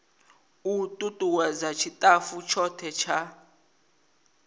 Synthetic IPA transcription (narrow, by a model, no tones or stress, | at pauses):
utʼutʼuwazat͡ʃʰitʼafut͡ʃʰɔtʰɛt͡ʃʰa